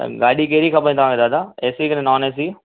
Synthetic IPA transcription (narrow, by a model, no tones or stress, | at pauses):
ɡaːɗik̬eːɾikʰapə̃ĩt̪ɐʋãːked̪aːd̪aːeːsikɐnenaːneːs̬iː